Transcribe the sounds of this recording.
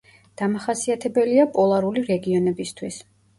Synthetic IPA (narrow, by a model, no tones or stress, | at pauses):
d̪̥amaχasiat̪ʰɛbɛliapʼɔlˠaɾuliɾɛɡiɔnɛbist̪ʰwis